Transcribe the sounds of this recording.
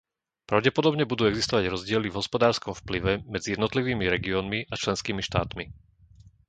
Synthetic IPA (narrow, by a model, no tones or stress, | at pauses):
pɾaʊɟɛpɔd̪ɔbɲɛbud̪uːɛɡzist̪ɔʋaɟɾɔzɟɪɛlivɦɔspɔd̪aːɾskɔmfpliʋɛmɛd͡zijɛd̪nɔt̪liʋiːmiɾɛɡiɔːnmiʔat͡ʃlɛnskiːmiʃt̪a̰ːt̪mi